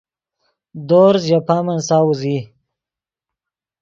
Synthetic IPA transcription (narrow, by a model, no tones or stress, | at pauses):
d̪oːɾzjapaːmɐnsaːwuzi